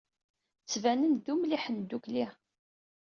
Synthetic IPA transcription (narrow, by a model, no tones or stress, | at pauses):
t͡sːvænənðumliħənd̪ukli